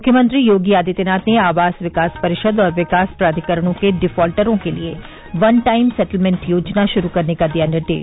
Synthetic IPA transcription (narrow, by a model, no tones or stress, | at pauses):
mʊkʰjəmə̃nt̪ɾijoːɡiaːd̪it̪enaːt̪neaːʋaːsʋɪkaːspəɾɪʃəd̪ɔːɾʋɪkaːspɾaːd̪ikəɾəɽ̃õkeɖɪfʰɔːlʈəɾõːkelie | ʋɐnʈaːɪmsɛʈəlmɛ̃ɳʈjoːd͡ʒnaʃʊɾukəɾnekad̪ijaːnɪɾd̪ḛːʃ